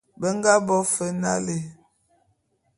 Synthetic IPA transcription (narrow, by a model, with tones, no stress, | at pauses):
bə˦ŋ˦ɡa˦bɔ˦fə˦na̰˦le˨